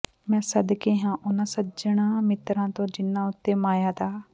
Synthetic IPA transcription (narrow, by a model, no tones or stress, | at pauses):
mɛ̃ːsəd̪keːɦãːʔʊnãːsəd͡ʒəɳ̃ãːmɪt̪ɾãːt̪õːd͡ʒɪnːãːʊt̪ːemaːjaːt̪aː